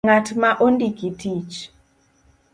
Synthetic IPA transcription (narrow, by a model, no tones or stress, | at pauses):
ŋatmaʔondikitit͡ʃ